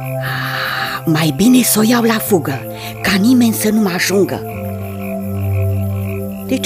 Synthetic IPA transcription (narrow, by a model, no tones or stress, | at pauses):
majbine̞sojawlafuɡə | kanime̞nʲsənumaaʒuŋɡə̰ | d̪̥et͡ʃ